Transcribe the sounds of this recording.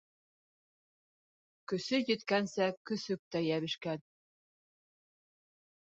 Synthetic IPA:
kɵ̆sɵjɘ̆t̪kænsækɵ̆sɵk̚t̪æjæβɘ̆ʃkæn

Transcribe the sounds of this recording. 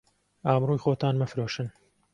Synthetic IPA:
aːmruːjxoːt̪ʰaːnmɐfɾoːʃɨn

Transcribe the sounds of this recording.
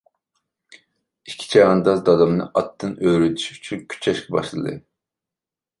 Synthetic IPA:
ikʲʰi̥t͡ʃʰɑjɑnd̪ɑd̪ɑd̪ɑmnɨʔɑt̪ːɨnøɾyt̪ʰy̥ʃy̥t͡ʃʰynkʲʰy̥t͡ʃʰɛʃkɛbɑ̰ʃlˠɨ̰d̪ɨ̰

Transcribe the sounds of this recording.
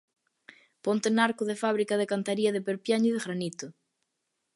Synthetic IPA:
pont̪enaɾkʊðefaβ̞ɾikaðekant̪aɾiɐðɪpeɾpjaɲʊiðeɣɾanit̪ʊ

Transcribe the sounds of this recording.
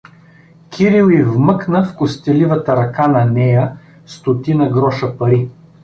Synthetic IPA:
kʰʲiɾilˠivmɤknəfkʊst̪ɛlivət̪əɾɐkanɐnɛjə | st̪ot̪inəɡɾɔʃəpɐɾi

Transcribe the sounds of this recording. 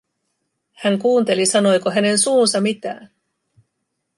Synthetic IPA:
hæŋkuːnt̪e̞lisɑno̞jkoɦæne̞nsuːnsɑmit̪æ̰ːn

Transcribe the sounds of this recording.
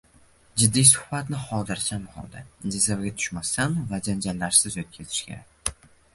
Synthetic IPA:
d͡ʒɪd̪ːijsʊ̥hbat̪nɪχɒd̪ɪɾsamhɒ̰lˠd̪ad͡ʒɪzavɡʲat̪ʰʊ̥ʃmast̪anvad͡ʒand͡ʒalːaɾsɪzot̪̚kʲʰazɪ̥ʃkʲa̰

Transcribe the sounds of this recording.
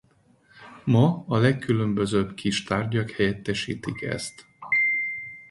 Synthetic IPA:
mɒɒlɛkːylø̞mbøzøːbkʰiʃt̪aːrɟɒkhɛjɛt̪ːɛʃḭːt̪ikɛ̰st̪

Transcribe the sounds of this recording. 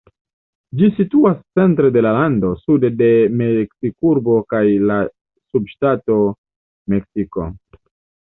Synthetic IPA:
d͡ʒisituast͡se̞ntɾe̞de̞lalando̞sudede̞meksikuɾbo̞kajla | subʃtato̞ | me̞ksiko̞̰

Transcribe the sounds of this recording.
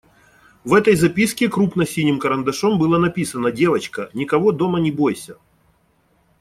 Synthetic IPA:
vɛt̪əjzɐpʲiskʲɪkɾupnəsʲinʲɪmkəɾənd̪ɐʂombɨlˠanɐpʲisənədʲe̞vət͡ɕkənʲɪkɐvod̪o̞mənʲɪbo̞jsʲə

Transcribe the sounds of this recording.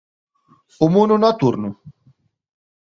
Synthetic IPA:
umununat̪uɾnu

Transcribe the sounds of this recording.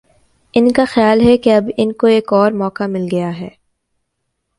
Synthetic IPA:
ɪnkaxɪjaːlɦɛkeɐbɪnkoeːkɔːɾmɔːkamɪlɡɐjaɦɛː

